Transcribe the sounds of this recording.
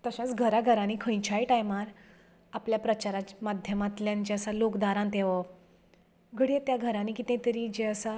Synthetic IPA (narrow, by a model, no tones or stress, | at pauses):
t̪əɕãt͡sɡʱəɾaɡʱəɾãniːkʰə̃jt͡ɕʰajʈajmaɾ | apljapɾət͡ɕaɾat͡ɕmad̪ʱjəmat̪ljãnt͡ɕeəsalokd̪aɾãnt̪eʋa | ɡʱəɽiet̪jaɡʱəɾãnikit̪ɛ̃t̪əɾid͡ʑeəsa